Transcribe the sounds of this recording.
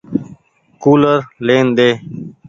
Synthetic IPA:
kuːləɾleːnd̪eː

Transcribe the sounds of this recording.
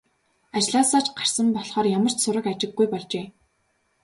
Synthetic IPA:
at͡ɕɮaːsaːt͡ɕɢar̥sə̆mpɔɮχɔːrjamə̆r̥t͡ɕsʊɾə̆kat͡ɕɪ̆ɡːujpɔɮt͡ɕeː

